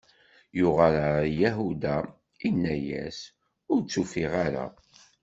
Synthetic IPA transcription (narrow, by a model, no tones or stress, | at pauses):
jʊʁəlajæɦud̪a | inːæjæ̰s | ʊɾt͡sːufiʁaɾa̰